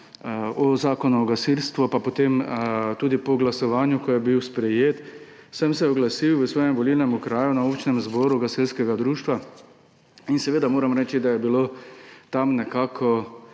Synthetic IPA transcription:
ɔzaːkɔnuɔɡasilst̪ʋɔpapɔt̪emt̪uːd̪ipɔɡlasɔʋaːnjʊkɔjɛbiwspɾɛjeːt̪ | səmsɛɔɡlasiwʋəsʋɔːjɛmʋɔlilnɛmukɾaːjunaopt͡ʃnɛmzbɔːɾuɡasilskɛɡad̪ɾuːʃt̪ʋa | insɛʋeːd̪amoːɾamɾɛːt͡ʃid̪ajɛbilot̪amnɛkaːkʰɔ

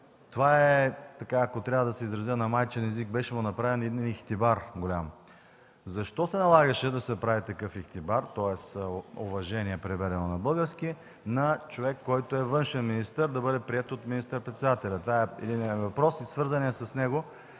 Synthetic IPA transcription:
t̪ovaɛt̪ɐkaːkot̪ɾʲavəd̪ɐsɛizɾɐzjənɐmajt͡ʃɛnɛzik̚bɛʃɛmʊnɐpɾavɛnid̪inixt̪ibaɾɡolʲam | zɐʃt̪ɔsɛnɐlˠaɡɐʃɛd̪ɐsɛpɾavit̪ɐkɤfixt̪ibaɾt̪ɔɛsovɐʒɛniɛpɾɛvɛɾɛnonɐbɤlˠɡəɾskiɛ | nɐt͡ʃovɛkːɔjt̪oɛvɤnʃɛnminist̪əɾd̪ɐbɤd̪ɛpɾiɛt̪ot̪minist̪əɾpɾɛt̪sɛd̪at̪ɛlʲɐt̪ovaɛɛ̰d̪inɛvɐpɾɔsisvɤɾzɐniɐsɐsnɛɡo

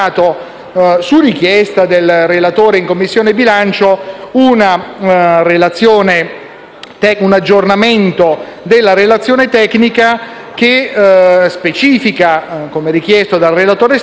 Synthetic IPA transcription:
t̪o | surikjɛst̪ad̪elrelat̪oːɾeiŋkomːisːjoːnebilant͡ʃouna | relat̪sːjoːne | t̪ɛunad͡ʒːornament̪od̪elːaɾelat̪sːjoːnet̪ɛkːnika | k̟e | spet͡ʃiːfikakomeɾik̟jɛst̪od̪alrelat̪oːɾes

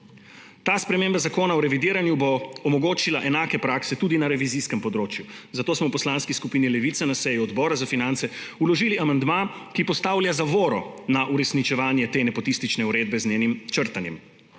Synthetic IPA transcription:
t̪aːspɾɛmeːmbazakoːnaɔɾɛʋid̪iːɾanjuboɔːmɔɡoːt͡ʃilaʔɛnaːkɛpɾaːksɛt̪uːd̪inaɾɛʋiziskɛmpɔd̪ɾoːt͡ʃjuzat̪oːsmɔwpɔslaːnskiskupiːnilɛʋit̪sanasɛjuɔd̪bɔːɾazafinant̪sɛulɔʒiːliamand̪makipɔst̪aːwljazaʋoːɾɔ̰naʔuɾɛsnit͡ʃɛʋaːnjɛt̪eːnɛpɔt̪ist̪it͡ʃnɛuɾeːd̪̚bɛzneːnimt͡ʃəɾt̪anjɛm

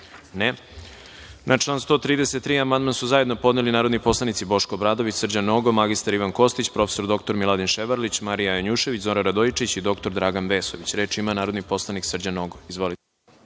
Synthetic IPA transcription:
ne | nʔat͡ʂlˠaːnst̪o̞ːt̪ɾiːd̪eset̪ːɾiːamand̪mansuzaje̞d̪no̞po̞d̪nelinaːɾo̞d̪nipo̞slˠanit̪sibo̞ʃkoːbɾaːd̪o̞ʋit͡ɕsrd͡ʑanoɡomaɡist̪aɾiʋanko̞st̪it͡ɕpɾo̞feso̞ɾd̪o̞kt̪oɾmilad̪inʃeʋaɾlit͡ɕmaɾijajoɲuʃe̞ʋit͡ɕzoɾaɾad̪ojit͡ʃit͡ɕid̪o̞kt̪o̞ɾd̪ɾaːɡanʋe̞ːso̞ʋit͡ɕɾeːt͡ʂimanaːɾo̞d̪nipo̞slˠaniksr̩d͡ʑanoɡoizʋo̞lit̪e

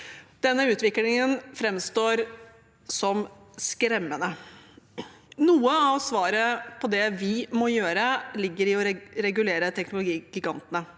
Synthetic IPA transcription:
d̪̥ɛnːəʉːt̪ʋɪklɪŋənfɾɛmst̪oːɾ | sɔm | skɾɛmːənə | nuːəɑʋsʋɑːɾəpʰɔd̪ɛʋɪmɔjøːɾəlɪɡːəɾɪɔɾɾɛɡʉleːɾət̪ʰɛknʊlʊɡiːɡ̥ɪɡɑnt̪ənə

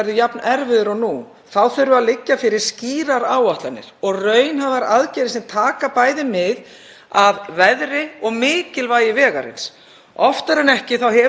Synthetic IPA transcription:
ɛɾðʏjapnɛɾvɪðʏɾanu | θawθœɥɾʏaðlɪcːafɪɾɪɾ̥sciːɾaɾaːwaht̪lanːɪ̰ɾ̥ɔɣrœːɥnɦavaɾa̰ðcɛjɾɪsɛmt̪ʰaːkapaːjðɪmɪð | avvɛðɾɪɔɣmɪːcɪlvaːjɪvɛːɣaɾɪ̰ns | ɔft̪aɾɛnɛhcɪθawhɛ

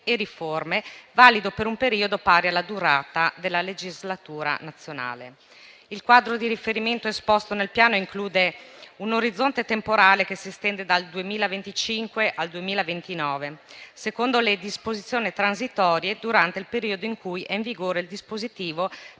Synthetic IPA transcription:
eɾiformevaːlid̪opeɾumpeɾiːod̪opaːɾjalːad̪uɾaːt̪ad̪elːaled͡ʒizlat̪uːɾa̰nat̪sːjona̰ːlḛ | ilkwaːd̪ɾod̪iɾifeɾiment̪oespɔst̪onelpjaːnoiŋkluːd̪eunoɾid̪zːont̪et̪empoɾaːlekesiest̪ɛnd̪ed̪ald̪uemiːlavent̪it͡ʃiŋkweʔald̪uemiːlavent̪inɔːvesekond̪oled̪ispozit̪sːjoːnit̪ɾanzit̪ɔːɾjed̪uɾant̪eilpeɾiːod̪oiŋkujɛiɱviɡoːɾeild̪ispozit̪iːvo

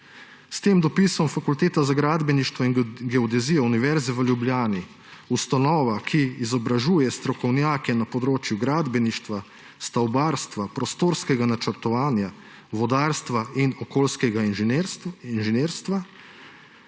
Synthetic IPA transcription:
st̪eːmd̪ɔpisɔmfakult̪eːt̪azaɡɾaːd̪bɛniʃt̪ʋɔinɡɛɔd̪ɛziːjɔuniʋɛɾzɛʋəljubljaːni | ust̪anɔːʋakʰiːzɔbɾaʒuːjɛst̪ɾɔkɔwnjaːkɛnapɔd̪ɾoːt͡ʃjuɡɾaːd̪bɛniʃt̪ʋa | st̪awbaːɾst̪ʋapɾɔst̪oːɾskɛɡanat͡ʃəɾt̪ɔʋaːnja | ʋɔd̪aːɾst̪ʋainɔkoːlskɛɡa | inʒɛneːɾst̪ʋa

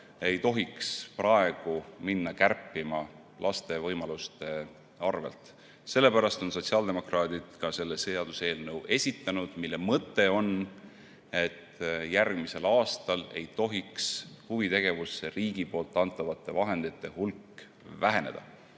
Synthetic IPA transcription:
e̞jt̪o̞ɦiksprɑe̞ɡ̥uminːɑkærpːˑimɑ | lʔɑst̪e̞vɤjmɑlust̪e̞ | ɑrve̞̰lt̪ˑ | se̞lːe̞pæɾɑst̪o̞nso̞tʲsiɑld̪e̞mo̞krɑːd̪id̪̥kɑse̞lːeseɑd̪̥use̞ːlnɤwe̞sʲit̪ːˑɑnud̪̥milːe̞mɤt̪ːˑe̞o̞n | e̞t̪ːjærɡ̥mise̞lɑːst̪ɑle̞̰jt̪o̞ɦikshuvit̪e̞ɡ̥e̞vusːeriːɡ̥ipo̞ːlt̪ˑːɑnt̪ˑːɑvɑt̪ˑːe̞vɑɦe̞nd̪̥it̪ːe̞hulkː | væɦe̞ne̞̰d̪̥ɑ̰

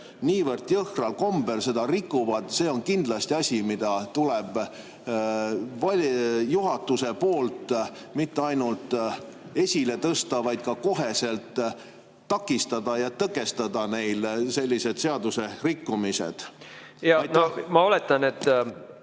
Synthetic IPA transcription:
niːvɤrt̪jɤhrɑlko̞mbe̞lse̞d̪ɑrikːˑuvɑd̪̥se̞ːo̞nkind̪̥lɑst̪iɑsʲimid̪̥ɑt̪uleb̥ | vɑjuɦɑt̪ːuse̞po̞ːlt̪ːˑ | mit̪ːeɑjnult̪ˑe̞sʲile̞t̪ɤst̪ɑvɑjd̪̥̚kɑko̞ɦe̞se̞lt̪ː | ɑkːˑist̪ɑd̪̥ɑjɑt̪ɤkːˑe̞st̪ɑd̪ɑne̞jlse̞lʲːise̞d̪̥se̞ɑd̪use̞rikːumise̞̰d̪̥ | jɑjnomɑolet̪ːˑɑnet̪ː

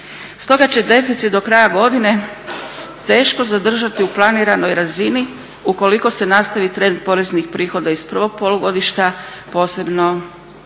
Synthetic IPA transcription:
st̪o̞ɡat͡ɕe̞d̪e̞fit̪sit̪d̪o̞kɾajaɡo̞d̪ine̞ | t̪e̞ːʃko̞zad̪r̩ʒat̪iuplˠaniɾano̞jɾazini | uko̞liko̞se̞nast̪aʋit̪ɾe̞nd̪̚po̞ɾe̞znixpɾiːxo̞d̪aispr̩ʋo̞ɡ̚poluɡo̞d̪iʃt̪a | po̞ːse̞bno̞

